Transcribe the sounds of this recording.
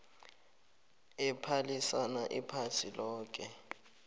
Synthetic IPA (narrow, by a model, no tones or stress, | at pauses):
ɛpʰalisanaʔipʰatʰilɔːk̬ʼɛ